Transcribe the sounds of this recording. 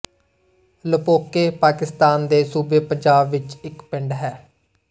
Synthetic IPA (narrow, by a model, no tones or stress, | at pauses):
ləpoːkeːpaːkɪst̪aːnd̪eːsuːbeːpəɲd͡ʒaːbʋɪt͡ʃɪkpɪɳɖɦɛː